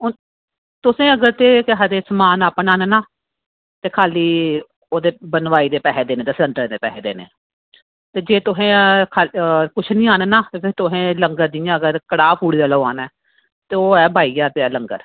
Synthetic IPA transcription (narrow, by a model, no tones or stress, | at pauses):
t̪ʊsẽːəɡəɾt̪eːkɪɦad̪eːsmaːnaːpnaːnenaː | t̪eːkʰaːliː | oːd̪eːbənʋaːiːd̪eːpɛːɦɛːd̪eːnẽːt̪eːsəɳʈəɾd̪eːpɛ̰ːɦeːd̪ḛːnḛː | t̪eːd͡ʒeːt̪ʊɦẽːkʰaːlkʊt͡ʃʰnĩːaːnenaːt̪eːpɪɾt̪ʊɦẽːləŋɡəɾd̪ɪjãːəɡəɾkəɽaːpʰuːɽiːd̪aːləa̰ːnɛː | t̪eːoːɛːbʱaːiːaːpeɛːləŋɡəɾ